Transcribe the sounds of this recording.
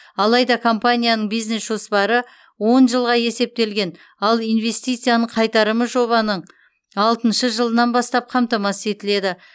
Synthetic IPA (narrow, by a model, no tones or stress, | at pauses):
ɑlˠɑjd̪ɑkʰo̞mpanʲijanəɴbijzne̞sʒ̥o̞spɑɾə | wo̞nʒəlˠʁɑje̞se̞p̚t̪e̞lɡʲe̞n | ɑlˠijnve̞st̪ijt̪sɨjanəɴqʰɑjt̪ɑɾəməʒo̞βɑnəɴ | ɑlˠt̪ənʃəʒəlˠənɑnbɑst̪ɑp̚qʰɑmt̪ɑmɑsəe̞t̪ɪle̞d̪ɪ